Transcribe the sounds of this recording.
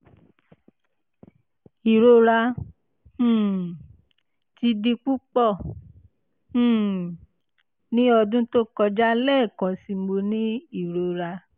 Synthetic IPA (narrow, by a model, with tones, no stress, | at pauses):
i˨ɾo˧ɾa˧ | h̩˦˨ | ti˧di˧k͡pu˦k͡pɔ˦˨ | h̩˦˨ | nĩ˦ɔ˧dũ˦to˦kɔ˧d͡ʒa˦lɛ˦˨kã˧si˧mo˧nĩ˦i˦˨ɾo˧ɾa˧